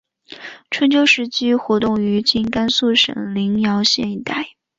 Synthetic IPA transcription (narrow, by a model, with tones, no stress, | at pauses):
ʈ͡ʂʰə˧˥nt͡ɕjo˥ʊʂɻ̩˧˥t͡ɕi˥xwɔ˧˥t̪ʊ˥˩ŋy˧˥t͡ɕi˥˩nka˥nsu˥˩ʂə̰˨˩ŋli˧˥ŋjɑ˧˥ʊɕjɛ˥˧ni˧˥t̪a˥˩ɪ